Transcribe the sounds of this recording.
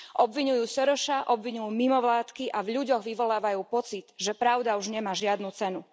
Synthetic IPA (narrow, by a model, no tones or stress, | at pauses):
ʔɔbʋiɲujuːsɔɾɔʃaʔɔbʋiɲujuːmimɔʋlaːt̪kiʔavʎuɟɔɣʋiʋɔlaːʋajuːpɔt͡sit̪ʒɛpɾaʊd̪auʒɲɛmaːʒɪad̪nuːt͡sɛnu